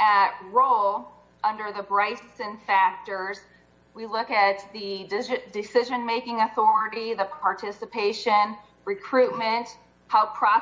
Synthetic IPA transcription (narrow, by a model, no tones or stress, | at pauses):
ʔət̚ɹoʊlˠ | ʌ̃ndə˞ðəbɹaɪssɨ̃nfæk̚tə˞z̥ | wilʊkɨt̪̚ðɨdɪdɨsɪʒɨ̃nmeɪkɪ̃ŋɨθɔɹɨɾiðəpʰɑɹtʰɪsəpʰeɪʃɨ̃n | ɹɨkʰɹ̥ʉt̚mɨ̃nt | haʊpʰɹ̥ɑ